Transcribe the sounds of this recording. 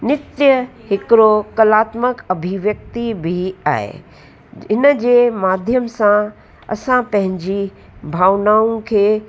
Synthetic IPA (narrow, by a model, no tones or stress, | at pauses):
nɪt̪jəɦɪkɪɾokɐlaːt̪məkɐbʱiʋjək̚t̪ibʱia̰ːɦḛ | ɪnəd͡ʑeːmaːd̪ʱjəmsã | ɐ̰sãpɐ̃ɦɪ̃ɲd͡ʑi | bʱaːʋnaːũkʰeː